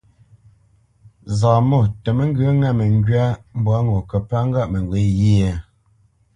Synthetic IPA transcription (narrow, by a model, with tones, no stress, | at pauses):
za˨mo˦˨tə˨mə˦ŋ̩˦ɡə˦ŋa˦˨mə˨ŋ˦ɡɥa˦m̩˦bwa˦ŋo˨kə˨pa˦ŋ̩˦ɡa˦ʔmə˨ŋ˨ɡwe˨˦ji˦e˦˨